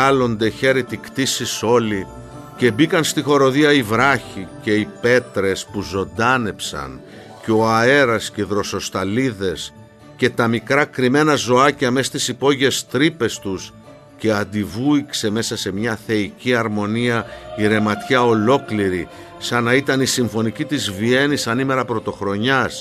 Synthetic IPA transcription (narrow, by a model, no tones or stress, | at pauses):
ɐlo̞nd̪e̞çe̞ɾit̪ikt̪isiso̞li | ce̞bikɐnst̪ixo̞ɾo̞ðiɐivɾɐçice̞ipe̞t̪ɾe̞spuzo̞nd̪ɐne̞psɐ̰n | ceo̞ɐe̞ɾɐsceiðɾo̞so̞st̪ɐliðe̞s | ce̞t̪ɐmikɾɐkɾime̞nɐzo̞ɐcɐme̞st̪isipo̞ʝest̪ɾipe̞st̪us | ce̞ɐnd̪ivuikse̞me̞sɐse̞mɲɐθe̞iciɐɾmo̞niɐiɾe̞mɐt̪çɐo̞lo̞kliɾi | sɐnɐit̪ɐnisiɱfo̞nicit̪izvie̞nisɐnime̞ɾɐpɾo̞t̪o̞xɾo̞ɲɐs